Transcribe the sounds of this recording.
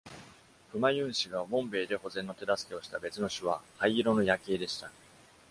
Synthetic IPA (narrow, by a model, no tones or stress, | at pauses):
ɸɯ̟majɯ̟̃ɰ̃ɕiɡamõ̞mbe̞ːd̪e̞ho̞zẽ̞nːo̞t̪e̞d̪asɨ̥ke̞o̞ɕi̥t̪abe̞t͡sɨno̞ɕɨβ̞ahaiiɾo̞no̞jake̞ːd̪e̞ɕi̥t̪a